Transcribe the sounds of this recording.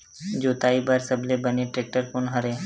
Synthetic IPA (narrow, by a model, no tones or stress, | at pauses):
d͡ʒoːt̪aibəɾsəblebəneʈɾek̚ʈəɾfonɦəɾe